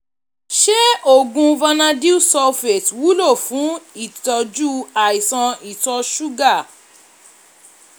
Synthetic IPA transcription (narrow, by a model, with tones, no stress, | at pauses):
ʃe˦o˦˨ɡũ˧va˧nã˧di˦u˦sɔ˧fɛ˨twu˦lo˦˨fũ˨˦i˦˨tɔ˧d͡ʒu˦a˨i˨sã˧i˨tɔ˧ʃu˦ɡa˦˨